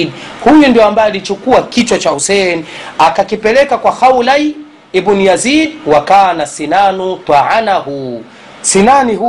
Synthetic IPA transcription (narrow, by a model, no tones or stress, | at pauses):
dhujundiɔambajɛalit͡ʃukuakit͡ʃwat͡ʃahusɛniakakipɛlɛkakwaxawlaj | ɛbunijazidwakaːnasinanut̪waʕanahuː | sinanihu